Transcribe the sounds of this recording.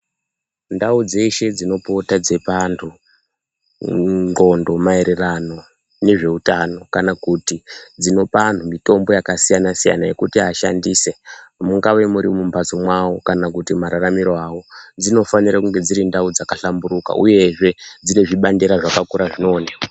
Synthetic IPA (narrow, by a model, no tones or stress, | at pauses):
ndaud͡ze̞ʃe̞d͡zino̞po̞tad͡ze̞pantʰu | ɡo̞ndo̞mae̞ɾerano̞ | ne̞ʐe̞utano̞kanakutid͡zino̞pan̤umito̞mbo̞jakasijanasija̰naje̞kutiaʃa̰ndiːse̞muŋɡawe̞muɾimumbʱazomwawo̞kanakutimaɾaramiɾoawo̞d͡zino̞faniɾakuŋɡe̞d͡ziɾindaud͡zakaɬambuɾuka̰ʔuje̞ʐe̞d͡zine̞ʐiɓandeɾaʐakakuɾaʐino̞ːne